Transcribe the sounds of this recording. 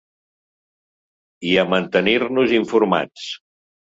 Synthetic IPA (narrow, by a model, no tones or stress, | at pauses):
iəmənt̪əniɾnuziɱfuɾma̰t͡s